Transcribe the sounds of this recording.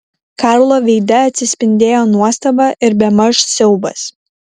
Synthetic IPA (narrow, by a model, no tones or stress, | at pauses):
kɑˑɾlˠoːʋʲɛɪd̪ɐɐt̪ʲsʲɪsʲpʲɪnʲd̪ʲeːjoːnuɔst̪ɐbɑːʔɪɾbʲɛmɐʃsʲɛʊbɐ̰s